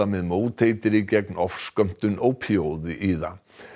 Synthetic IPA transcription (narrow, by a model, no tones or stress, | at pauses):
amɛðmoːwt̪ʰeːjt̪ɪɾicɛknɔfskœm̥t̪ʏnowpʰiowðɪʔiːða